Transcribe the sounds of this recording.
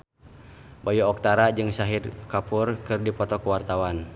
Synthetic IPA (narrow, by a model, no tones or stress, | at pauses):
bajuɔk̚t̪aɾad͡ʒɨŋsaɦidkapurkɨrdipɔt̪ɔkuwart̪awan